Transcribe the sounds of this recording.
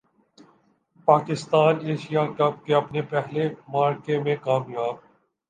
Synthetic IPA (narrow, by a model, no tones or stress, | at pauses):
paːkɪst̪aːneːʃijakɐb̚keɐpnepɛɦlemaːɾkemẽkaːmjaːb̚